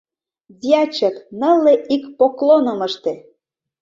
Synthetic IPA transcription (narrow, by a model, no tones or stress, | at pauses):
zʲiɑt͡ɕə̆knə̆lːeʔikpoklonɤ̆mə̆ʃt̪ĕ